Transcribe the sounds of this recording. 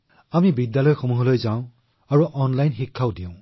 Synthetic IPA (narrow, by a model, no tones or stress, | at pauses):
amibidjalɔjxomuɦɔlojzaʊ̃ | aɹuʔɔnlajnxikʰːawdiʊ̃